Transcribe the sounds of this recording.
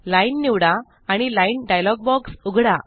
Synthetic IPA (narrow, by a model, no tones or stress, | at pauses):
lajnːiʋɽaː | ɽ̃ilainɖajlɔɡ̚bɔksuɡʱɽa